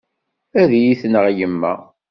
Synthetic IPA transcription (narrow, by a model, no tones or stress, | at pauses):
æðjiθnəʁjəmːæ̰